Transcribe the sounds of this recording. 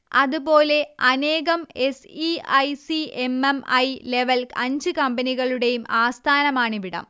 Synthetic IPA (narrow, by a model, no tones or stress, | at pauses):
ɐðupo̞ːle̞ɐne̞ːɣɐmesiɐjsiememɐjleʋɐlɐɲd͡ʑɨkɐmbɐniɣɐɭuɽe̞jumaːst̪ʰaːnɐmaːɳiʋiɽɐ̰m